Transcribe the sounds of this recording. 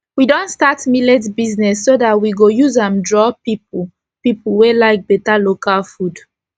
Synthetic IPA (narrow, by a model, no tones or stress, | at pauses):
widɔ̃ntstatmilɛtbiznɛsːodatwiɡojuzãndɹɔpip̚u | pipuwelaɪk̚b̥ɛtalokalfud